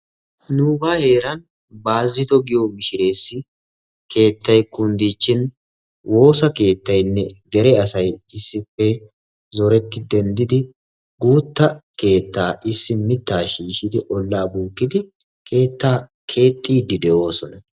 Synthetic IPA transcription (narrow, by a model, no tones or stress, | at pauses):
nuːbaːhe̞ːɾɐn | baːzːɪt̪ɔɡɪjomɪʃɪɾe̞ːsːɪ | kʰe̞ːt̪ːɐjkʊnd̪iːt͡ʃːɪn | wʔo̞ːsɐke̞ːt̪ːɐjnːɛd̪ɛɾɛɐsɐjɪsːɪpːɛ | zɔɾɛt̪ːɪd̪ɛnd̪ɪd̪ɪ | ɡuːt̪ːɐke̞ːt̪ːaːʔɪsːɪmɪt̪ːaːʃiːʃɪd̪ɪʔɔlːaːbuːkːɪd̪ɪ | kʰe̞ːt̪ːaːkʰe̞ːt̪ʼːiːd̪ɪd̪ɛʔo̞ːsɔnɐ